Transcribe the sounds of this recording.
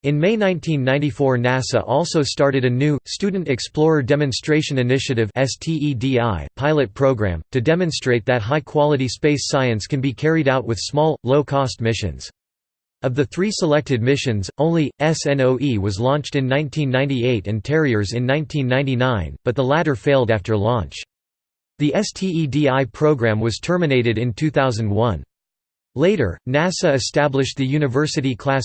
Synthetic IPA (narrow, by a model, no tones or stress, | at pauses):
ɨ̃nmeɪnãɪ̃ntʰĩnːãɪ̃ntifɔɹnæsə̰ʔɔlˠsoʊstɑɹɾɨɾɨnʉstʉdⁿn̩tɨksplɔɹə˞dɛmɨ̃nstɹ̥eɪʃɨ̃nɨnɪʃɨɾɨvɛstʰiidiaɪpʰaɪlˠɨt̚pʰɹ̥oʊɡɹæ̰̃mtʰɨdɛmɨ̃nstɹ̥eɪt̪̚ðɨt̚ɦaɪkʰw̥ɑlˠəɾispeɪsaɪɨ̃nskʰɨ̃nbikʰɛɹiɾaʊt̚wɨð̥smɔlˠloʊkʰɔst̚mɪʃɨ̰̃nz̥ | ʌvðɨθɹisəlɛk̚tɨd̚mɪʃɨ̃nzõʊ̃nliʔɛsɛ̃noʊʔiwʌzlɔ̃nt͡ʃtɨ̃nːãɪ̃ntʰĩnːãɪ̃ntieɪɾɨ̃ntʰɛɹiə˞zɨ̃nːãɪ̃ntʰĩnːãɪ̃ntinãɪ̃nb̥ʌt̪̚ðəlæɾə˞feɪlˠdæftə˞lɔ̃nt͡ʃ | ðiʔɛstʰiidiaɪpʰɹ̥oʊɡɹæ̃mwʌz̥tʰɜ˞mɨneɪɾɨɾɨ̃ntʰʉθaʊzɨ̃n̩d̚wʌ̃n | leɪɾə̰˞næsɨɨstæblɨʃ̚ðɨjʉnɨvɜ˞sɨɾikʰl̥æs